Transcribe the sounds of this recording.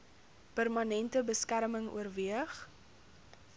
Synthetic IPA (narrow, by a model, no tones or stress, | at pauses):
pərmɐnɛntəbəskærməŋṵərviəχ